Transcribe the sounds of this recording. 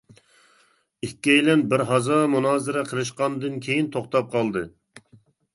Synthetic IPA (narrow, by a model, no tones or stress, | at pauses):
ikʲːɛjlɛnbɪɾɦɑzɑːmunɑːzɨɾɛqʰəɾɨʃ̬qɑnd̪ɨnkʲʰejint̪ʰoχt̪ɑp̚qʰɑlˠd̪ɨ